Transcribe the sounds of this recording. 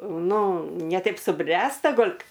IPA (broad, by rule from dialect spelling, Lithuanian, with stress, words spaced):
ˈnʊ nʲɛ ˈtɐɪp sʊˈbʲrʲæːstɐ ˈɡoːlʲ